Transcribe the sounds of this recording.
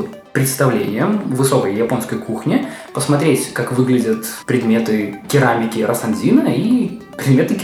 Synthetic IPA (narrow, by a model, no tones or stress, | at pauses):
pɾʲɪt̪st̪ɐvlʲḛnʲɪjəmvɨso̞kəjjːɪpo̞nskəjkuxnʲɪpəsmɐt̪ɾʲetʲkakvɨɡlʲɪdʲət̪pɾʲɪd̪mʲe̞t̪ɨkʲɪɾamʲɪkʲɪɾʔɐsɐnzʲinəi | pɾʲɪd̪mʲet̪ɨ